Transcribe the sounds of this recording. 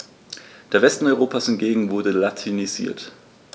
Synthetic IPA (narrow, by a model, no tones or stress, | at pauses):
d̥eːɐvɛstn̩ɔʏʁoːpʰaːshɪntɡ̥eːɡŋ̩vʊɐdəlatʰinizḭːɐt